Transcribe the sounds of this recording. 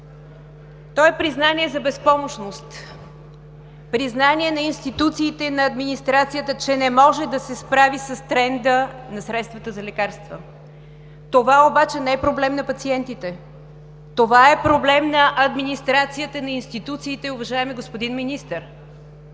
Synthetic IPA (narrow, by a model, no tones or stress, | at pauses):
t̪ɔɛpɾiznaniɛzɐbɛspɔmoʃnost̪ | pɾiznaniɛnɐinst̪it̪ut̪siːt̪ɛnɐɐd̪minist̪ɾat̪sijət̪ət͡ʃɛnɛmɔʒɛd̪ɐsɛspɾavisɐst̪ɾɛnd̪ənɐsɾɛt̪st̪vət̪əzɐlɛkaɾst̪və | t̪ovaobat͡ʃɛnɛɛpɾoblɛmnɐpɐt̪siɛnt̪it̪ɛ | t̪ovaɛpɾoblɛmnɐʔɐd̪minist̪ɾat̪sijət̪ənɐinst̪it̪ut̪siːt̪ɛʊvɐʒaɛmɛɡospod̪inminist̪əɾ